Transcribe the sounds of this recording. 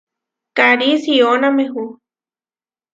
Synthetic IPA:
kaɾisionameɦu

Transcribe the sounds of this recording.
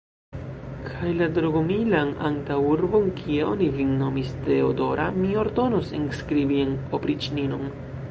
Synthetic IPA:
kʰajladɾoɡomilana̰ŋtawuɾbo̞nkʰieo̰nivinno̞miste̞odo̞ɾʔa̰mio̞ɾdo̞nosenskɾibienopɾit͡ʃninon

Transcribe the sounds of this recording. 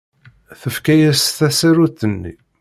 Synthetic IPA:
θəfkæjæsθæsæɾut̪ːənːḭ

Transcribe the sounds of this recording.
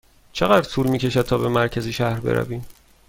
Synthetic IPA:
t͡ʃʰeɣæd̪ɾt̪ʰuːlmiːcʰe̞ʃæd̪̚t̪ʰɒːbe̞mæɾcʰæziːʃæhɾbḛɾæ̰viːm

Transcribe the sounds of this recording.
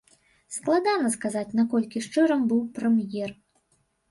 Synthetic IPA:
sklˠad̪anɐskazat͡sʲnakɔlʲkʲiʂt͡ʂɨɾɐmbɨwpɾɛmjɛr

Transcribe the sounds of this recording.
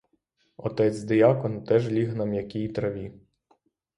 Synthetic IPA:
ɔt̪ɛt͡sʲd̪ɪjɑkɔnt̪ɛʒlʲiɦnɑmjɐkʲijt̪ɾɐʋʲi

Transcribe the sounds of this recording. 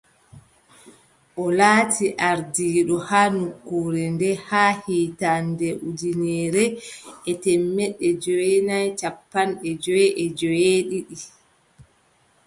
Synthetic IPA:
ʔɔlaːtʰiʔaɾdiːɗɔhaːnukːuːɾɛndɛhaːhiːtandɛʔudinɛːɾɛɛtɛmːɛɗːɛd͡ʒɔjɛnajt͡ʃapːanɗɛd͡ʒɔjɛʔɛd͡ʒɔjeːɗiɗi

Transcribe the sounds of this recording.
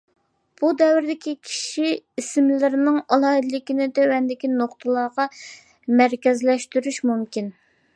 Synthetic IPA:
b̥ud̪ɛwɪɾd̪ɪkʲikʲʰi̥ʃiisɪmlɪɾɪnɨŋɑlˠɑːɨd̪ɨlɪkʲinɪd̪ɛwɛnd̪ɪkʲinoχt̪ʰɨlˠɑʁɑ | mæɾkʲɛzlɛʃt̪yɾyʃmumkʲin

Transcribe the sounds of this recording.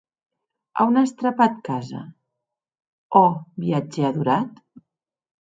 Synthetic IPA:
a̰wnast̪ɾapat̪kazə̰ | ɔbiad͡ʒeaðuɾat̪

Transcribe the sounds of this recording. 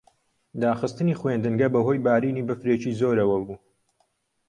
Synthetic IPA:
d̪aːxɨst̪ɨniːxwend̪ɨnɡɐbɐɦo̞ːjbaːɾiːniːbɐfɾeːt͡ʃiːzoːɾɐwɐbuː

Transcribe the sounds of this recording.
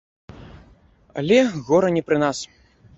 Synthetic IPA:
a̰lʲɛɣɔɾɐnʲɛpɾɨnas

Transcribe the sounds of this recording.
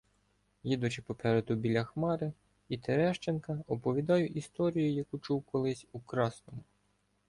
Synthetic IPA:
jid̪ʊt͡ʃɪpɔpɛɾed̪ʊbʲilʲɐxmɑɾɪ | it̪eɾɛʃt͡ʃenkɐɔpɔʋʲid̪ɑjʊʔist̪ɔɾʲijʊjɐkut͡ʃuwkɔlˠɪsʲukɾɑsnɔmʊ

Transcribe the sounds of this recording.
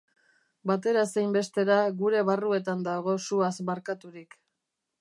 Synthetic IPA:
bat̪e̞ɾasejmbe̞st̪e̞ɾaɣuɾe̞βarue̞t̪and̪aɣ̞o̞suasβaɾkat̪uɾik

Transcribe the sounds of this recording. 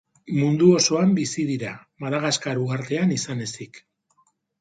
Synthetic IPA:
mund̪uo̞so̞ambisið̞iɾamaðaɣaskaɾuɣaɾt̪e̞anisane̞sik

